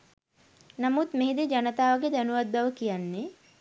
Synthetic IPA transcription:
namut̪meɦed̪ed͡ʒanət̪aːʋəɡed̪anuʋad̪̚baʋəkijanːe

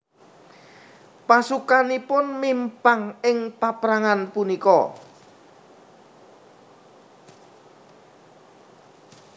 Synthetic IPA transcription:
pasukanipʊnmimpaŋɪŋpapɾaŋanpunikɔ

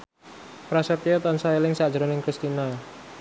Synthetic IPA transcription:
pɾasɛrt̪iot̪ansaelɪŋsḁd͡ʒɾonɪŋkɾist̪ina

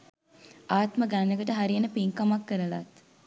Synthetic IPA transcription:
aːt̪məɡanːəɡəʈəɦaɾijenəpiŋkamakːəɾəla̰t̪

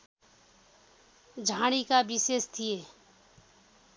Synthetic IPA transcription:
d͡ʒʱaːɽ̃ikabɪseːst̪ʰijeː

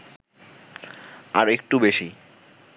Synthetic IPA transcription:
aɾek̚ʈubeʃi

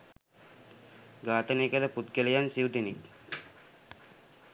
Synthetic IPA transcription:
ɡaːt̪əneːkələput̪kelejansiud̪enik

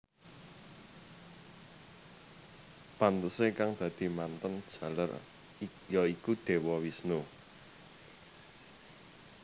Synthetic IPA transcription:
pant̪əsekaŋd̪̥ä̤d̪̥i̤mant̪ənd̥ʒ̥a̤la̰r | jɔikud̪̥e̤wɔwisnu

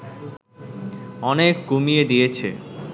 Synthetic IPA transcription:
ɔnekːumied̪ijet͡ɕʰḛ

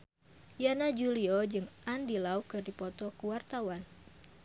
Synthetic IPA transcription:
janad͡ʒuliɔd͡ʒɨŋʔandilaukɨrdipɔt̪ɔkuwart̪awan

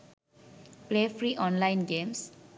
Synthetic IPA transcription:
plepʰɾiʔɔ̃nlajnɡems

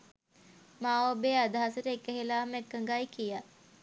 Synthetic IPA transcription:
maːʋobeːad̪aɦasəɾəekəɦelaːmekːəŋɡajkija

